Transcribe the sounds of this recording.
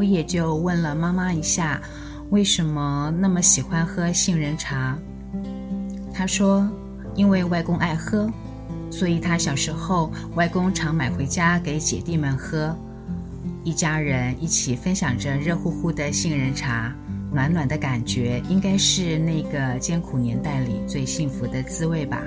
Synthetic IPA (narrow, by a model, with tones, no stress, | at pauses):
wɔ˧˥jɛ˨˩t͡ɕjo˥˧ʊwə˥˩nlə˩ma˥ma˥i˧˥ɕja˥˩ | we˥˩ɪʂə˧˥nmə˧na˥˩mə˩ɕi˨˩xwa˥nxɤ˥ɕi˥˧ŋɻə˧˥nʈ͡ʂʰa˧˥ | t̪ʰa˥ʂwɔ˥ | i˥nwe˥˧ɪwa˥˩ɪkʊ˥ŋʔa˥˩ɪxɤ˥ | swɔ˧˥i˨˩t̪ʰa˥ɕjɑ˨˩ʊʂɻ̩˧˥xo˥˩ʊ | wa˥˩ɪkʊ˥ŋʈ͡ʂʰɑ˧˥ŋma˨˩ɪxwe˧˥ɪt͡ɕja˥ke˧˥ɪt͡ɕjɛ̰˨˩t̪i˥˩mə˨˩nxɤ˥ | i˥˩t͡ɕja˥ɻə˧˥ni˥˩t͡ɕʰi˨˩fə˥nɕjɑ˨˩ŋʈ͡ʂə˦ɻə˥˧xu˥˧xu˥˩d̪ə˨ɕi˥˩ŋɻə˧˥nʈ͡ʂʰa˧˥ | nwa˧˥nwa˨˩nd̪ə˦ka˨˩nt͡ɕɥɛ˧˥i˥ŋka˥ɪʂɻ̩˥˧na˥˩ɡə˩t͡ɕjɛ˥nkʰu˨˩njɛ˧˥nt̪a˥˩ɪlḭ˨˩t͡swe˥˧ɪɕi˥˩ŋfu˧˥d̪ə˧t͡sɹ̩˥we˥˩ɪbɐ̰˩